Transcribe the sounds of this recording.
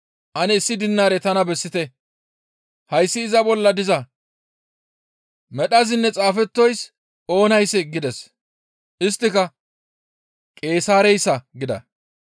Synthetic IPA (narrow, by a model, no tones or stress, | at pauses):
ʔɐnɛɪsːɪd̪ɪnːaːɾɛt̪ɐnɐbɛsːɪt̪ɛ | hɐjsːɪːzɐbɔlːɐd̪ɪzɐ | mɛɗɐzɪnːɛt͡sʼaːfɛt̪ːɔjs | o̞ːnɐjsɛɡɪd̪ɛs | ʔɪst̪ːɪkɐ | kʼe̞ːsaːɾɛjsːɐɡɪd̪ɐ̰